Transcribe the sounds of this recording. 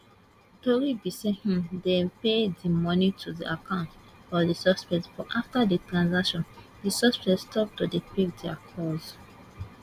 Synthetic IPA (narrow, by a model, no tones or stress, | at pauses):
tɔɹibisɛ̃hĩmdepeddimɔnitʰudiʔakãʊ̃ntfɔðisɔspɛtbɔʔaftaditɹãnsakʃɔ̃n | disɔspɛstʰɔp̚tudipikdiakʰɔz